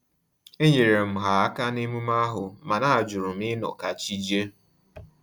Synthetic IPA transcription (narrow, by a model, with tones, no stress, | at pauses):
e˦ɲe˨ɾe˨m̩˨ɦa˨a˦ka˦ne˦mu˦ma˦ɦʊ˨ma˨na˦a˨d͡ʒʊ˨ɾʊ˨m̩˦ɪ˦nɔ̰˨ka˨t͡ʃi˦d͡ʒe˦